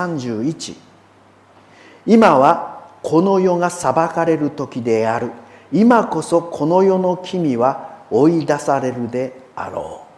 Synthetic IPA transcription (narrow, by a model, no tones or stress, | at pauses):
ãɲ̟d͡ʑɨːit͡ɕḭ | imaβakʰo̞no̞jo̞ŋasabakaɾe̞ɾɯ̟t̪o̞kʲid̪e̞aɾɯ̟imako̞so̞kʰo̞no̞jo̞no̞kʲʰimʲiβao̞id̪asaɾe̞ɾɯ̟d̪e̞a̰ɾo̰ː